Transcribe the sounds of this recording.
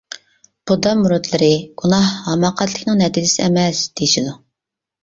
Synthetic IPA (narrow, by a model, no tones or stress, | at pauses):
b̥ud̪ɑmuɾut̪lˠɨɾɪɡ̥unɑhɑmɑqʰæt̪lɪkʲnɨŋnɛt̪ʰilɪsɪɛmɛsd̪̥ejiʃid̪u